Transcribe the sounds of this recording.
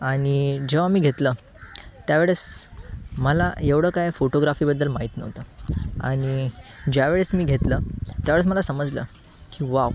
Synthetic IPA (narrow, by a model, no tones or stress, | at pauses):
aɽ̃id͡ʑəʋaamiːɡʱet̪lə | t̪jaʋeɭəs | məla̰eʋɽəːkajfoʈoɡɾafiːbəd̪ːəlmaɦit̪nə̰ʋt̪əa̰ɽ̃id͡ʑjaʋeɭesmiːɡʱet̪lət̪jaʋeɭəsməlasəməd͡zlə̰ː | kiʋau